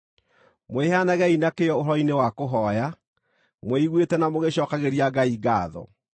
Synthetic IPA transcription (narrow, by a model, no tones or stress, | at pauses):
mehanaɣɛinakejɔoɾɔinewakoɦɔja | mweiɣwetɛnamoɣeɕɔːkaɣeɾiaɡaiɡaːðɔ̰